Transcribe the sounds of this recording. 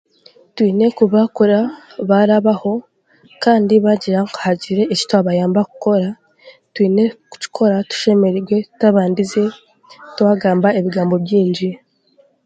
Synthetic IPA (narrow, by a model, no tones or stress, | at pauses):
twiːne̞kuβakuɾaβaɾaβaho̞ | kaːndiβaɟiɾaŋkuhaɟiɾe̞ʔici̥twaβajaːmbaku̥ko̞ɾa | twiːne̞ku̥ci̥kʰo̞ɾatu̥ʃe̞me̞ɾeɾɡwe̞taβaːndize̞ | twaːɡaːmbaeβiɡaːmbo̞bɟiːɲɟi